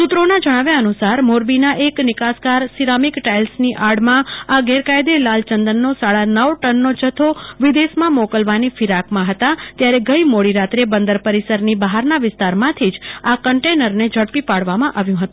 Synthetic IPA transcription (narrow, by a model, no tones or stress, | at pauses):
sut̪ɾonad͡ʒəɽ̃aʋjaənusaɾmoɾbinaʔeknɪkaskaɾsiɾamikʈajlsniʔaɽmãaɡɛɾkajd̪elalt͡ʃənd̪ənːosaɭanəʋʈənːod͡ʒət̪ʰoʋɪd̪esmãmokəlʋanifiɾakmãɦət̪at̪jaɾeɡəimoɽiɾat̪ɾebənd̪əɾpəɾisəɾnibəɦaɾnaʋɪst̪aɾmãt̪ʰid͡ʒakəɳʈenəɾned͡ʒʱəɽpipaɽʋamãʔaʋjũɦət̪ũ